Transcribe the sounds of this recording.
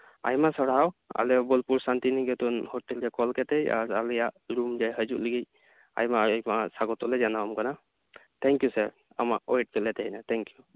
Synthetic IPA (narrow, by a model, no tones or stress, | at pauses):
a̰jmasɔɽawa̰lɛjabɔlpuɹsant̪iniɡɛt̪ɔnhɔtɛlkɛkɔlkɛt̪eja̰ɹalɛjaɹumzajɦəzuʔləɡij | a̰jmajmasaɡɔt̪ɔlɛzanaɔmkana | t̪ʰɛŋkjusaɹ | a̰maʔɔeʈ̚kɛlɛtʰeɦjnat̪ʰɛŋkju